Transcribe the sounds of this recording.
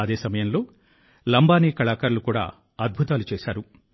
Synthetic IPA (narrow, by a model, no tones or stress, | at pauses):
ɐd̪eːsɐmɐjɐmlo̞ː | lɐmbaːniːkɐɭaːkaːɾulukuːɽa̰ː | ɐd̪̚bʱut̪aːlut͡ʃɛːʃaːɾu